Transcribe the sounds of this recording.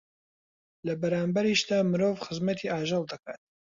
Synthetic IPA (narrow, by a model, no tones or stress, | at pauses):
lɐbɐɾaːmbɐɾiʃd̪aːmɨɾoːvxɨzmɐt̪ʰiʔaːʒɑlˠd̪ɐkaːt̪̚